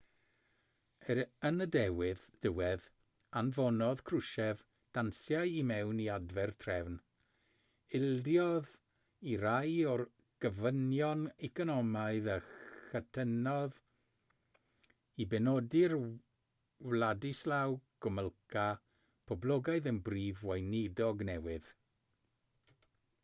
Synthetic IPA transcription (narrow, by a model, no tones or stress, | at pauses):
əənədɛwɪðd̥əwɛð | anvɔnɔð̥kʰrʊʃɛv | d̥ansjajimɛwniadvɛrtʰrɛvn | ɪlˠdjɔð | iɾajɔr | ɡ̥əvənjɔnɛkʰɔnɔmajðəxətʰənɔð | ibɛnɔdɪr | wladislawɡ̥ɔməlˠkʰa | pʰɔblɔɡajðənbriːvwajnɪdɔɡnɛwɪð